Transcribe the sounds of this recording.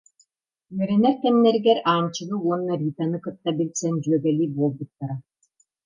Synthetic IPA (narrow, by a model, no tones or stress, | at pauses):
yœɾɛnɛɾk̪ɛmnɛɾɡɛɾaːnt͡ɕɯɣɯuɔnːɐɾʲiːt̪anɯkɯt̪ːabilʲsɛnd͡ʑyœɡɛlʲiːbuɔlˠbut̪ːaɾa